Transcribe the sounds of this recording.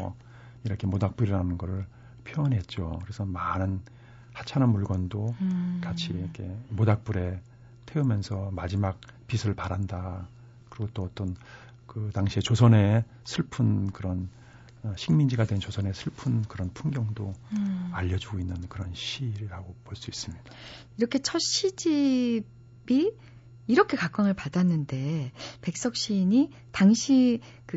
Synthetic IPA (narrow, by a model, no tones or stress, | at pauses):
iɾʌkʰe̞modak̚p͈uɾiɾanɯnɡʌɾɯɭ | pʰjoʌnɦe̞t̚t͡ɕ͈okɯɾe̞sʰʌmanɯn | hat͡ɕʰananmuɭɡwʌndokat͡ɕʰiɾʌkʰe̞modak̚p͈uɾe̞ | tʰe̞umjʌnsʰʌmad͡ʑimak̚pisʰɯɭpaɾanda | kɯɾiɡot͈oʌt͈ʌn | kɯtaŋɕʰie̞t͡ɕosʰʌne̞ | sʰɯɭpʰɯnkɯɾʌn | ʌɕʰiŋmind͡ʑiɡadwe̞nt͡ɕosʰʌne̞sʰɯɭpʰɯnkɯɾʌnpʰunɡjʌŋdoaʎːʌd͡ʑuɡoinːɯnkɯɾʌnɕʰiɾiɾaɡopoɭs͈uis͈ɯmɲid̥ḁ | iɾʌkʰe̞t͡ɕʰʌɕ͈ʰid͡ʑi | biː | ɾʌkʰe̞kak͈waŋɯɭpadanːɯnde̞pe̞k̚s͈ʌk̚ɕ͈iɲi | taŋɕʰi | kɯ